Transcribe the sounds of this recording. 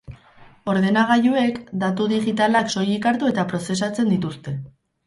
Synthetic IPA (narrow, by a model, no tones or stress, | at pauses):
o̞ɾðe̞naɣ̞ajue̞kd̪at̪uðiɣit̪alakso̞jikaɾt̪ue̞t̪apɾo̞se̞s̬at͡se̞nd̪it̪ust̪e̞